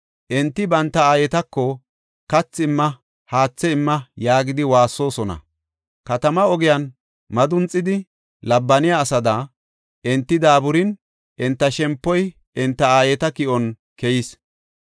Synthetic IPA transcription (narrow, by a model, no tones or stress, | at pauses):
ʔɛnt̪ːɪbɐnt̪ːɐaːjɛt̪ɐkːɔ | kɐt͡sːɪmːɐ | haːt͡sːɛɪmːɐjaːɡɪd̪ɪwaːsːo̞ːsɔnɐ̰ | kɐt̪ɐmɐɔɡɪjɐn | mɐd̪ʊnt͡sʼːɪd̪ɪ | lɐbːɐnɪjaːsɐd̪ɐ | ʔɛnt̪ːɪd̪aːbʊɾɪn | ʔɛnt̪ːɐʃɛmpːɔj | ʔɛnt̪ːɐaːjɛt̪ɐkɪʔɔn | kɛjɪs